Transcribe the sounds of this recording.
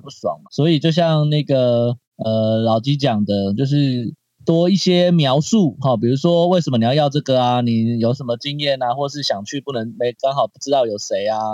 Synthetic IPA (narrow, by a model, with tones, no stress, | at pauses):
pu˥˩swɑ̰˨˩ŋswɔ˧˥i˨˩t͡ɕjo˥˧ʊɕ̬jɑ˥˧ŋna˥˩ɡə˩ | ə˨˩lɑ˨˩ʊt͡ɕi˦˥t͡ɕjɑ˨˩ŋd̪ə˦t͡ɕjo˥˧ʊʂ̬ɻ̩˥˩ | t̪wɔ˥i˥˩ɕjɛ˦mjɑ˧˥ʊsu˥˨xɑ˩pi˨˩ɻu˧˥ʂwɔ˦we˥˩ʂə˧˩mə˩n˨˩˧jjɑ˥˧ʊʈ͡ʂɤ˥˩ɡə˩a˨ni˨˩jo˨˩ʊʂə˧˥nmə˧t͡ɕi˦˥ŋjɛ˥˩na˨xwɔ˥˩˨ʂɻ̩˥˩ɕjɑ˨˩ŋt͡ɕʰy˥˧pu˥˩nə˧˦ŋme˧˥ɪkɑ˥ŋxɑ˨˩ʊpu˥˩ʈ͡ʂɻ̩˥t̪ɑ˥˩ʊjo˨˩ʊʂe˧˥ɪa˧